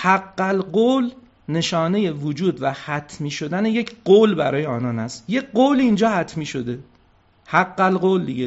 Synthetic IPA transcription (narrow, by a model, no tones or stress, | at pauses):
hæɡːælɢoːl | ne̞ʃɒːne̞je̞vod͡ʒuːd̪væhæt̪ʰmiːʃo̞d̪æneje̞cʰɢoːlbæɾɒːjeɒːnɒːnæst̪je̞ɢoːliind͡ʒɒːhæt̪ʰmiːʃo̞d̪e̞ | hæɡːælɢoːld̪iɟe